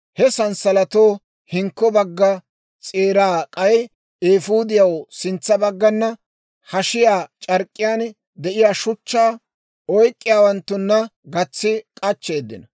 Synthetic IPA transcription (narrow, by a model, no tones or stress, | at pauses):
hɛsɐnsɐlɐt̪o̞ː | hɪŋkːɔbɐɡːɐ | t͡sʼeːɾaːkʼɐj | eːfuːd̪ɪjɐwsɪnt͡sːɐbɐɡːɐnːɐ | hɐʃɪjaːt͡ʃʼɐɾkʼːɪjaːn | d̪ɛʔɪjaːʃʊt͡ʃːaː | ɔjkʼːɪjaːwɐnt̪ːʊnːɐɡɐt͡sːɪkʼɐt͡ʃːe̞ːd̪ːɪnɐ